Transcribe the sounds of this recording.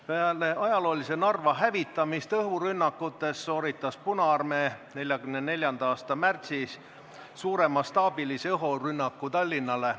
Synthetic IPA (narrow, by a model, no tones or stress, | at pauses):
peɑle̞ʔɑjɑlo̞ːlise̞nɑrvɑɦævit̪ːˑɑmist̪ɤɦuɾynːɑkːut̪ːˑe̞sːo̞ːɾit̪ːˑɑspunɑɑrme̞ne̞lʲjɑɡ̥ymnene̞lʲjɑnd̪̥ɑɑːst̪ɑmært̪sis | suːɾe̞mɑst̪ɑːb̥ilisɤɦorynːɑkːut̪ɑlʲːinːɑle̞